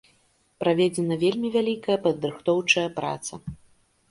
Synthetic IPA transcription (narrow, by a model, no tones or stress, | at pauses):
pɾavʲɛd͡zʲɛnɐvʲelʲmʲivʲalʲikɐjɐpɐd̪ɾɨxt̪ɔwt͡ʂɐjɐpɾa̰t̪sɐ